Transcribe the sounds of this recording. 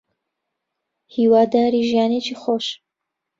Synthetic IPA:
hiːwaːd̪aːɾiʒijaːnet͡ʃʰixoʃ

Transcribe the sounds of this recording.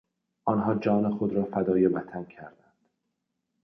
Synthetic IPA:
ʔɒnɦɒːd͡ʒɒːnexod̪ɾɒːfæd̪ɒːjebæt̪ʰæncʰæɾd̪ænd̪̥

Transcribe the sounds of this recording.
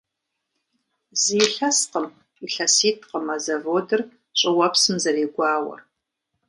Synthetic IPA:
ziːɬɐsqəm | iɬɐsiːtʰqəmazɐvoːdɨr | ɕʼɪwɐpsɨmzɐriːɡʷɑːwɐ̰r

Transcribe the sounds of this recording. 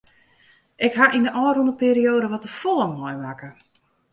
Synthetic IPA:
ʔɪkɦaʔindəʔɔːrundəpeːɾioːdəʋɔtəfolˠəmɦɔjmakə

